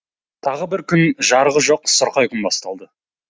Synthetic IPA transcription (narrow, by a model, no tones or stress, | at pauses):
t̪ʰɑʁəbɪɾkʲʰʏnʒɑɾʁəʒo̞q̚sʊɾqɑjkʲʰʏnbɑst̪ɑlˠd̪ə